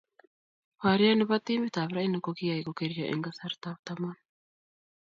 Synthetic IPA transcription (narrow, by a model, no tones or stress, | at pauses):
βaɾjanɪβat̪iːmbit̪aːβɾainakokijaikokeɾijaʔḛŋɡasaɾt̪aβt̪aman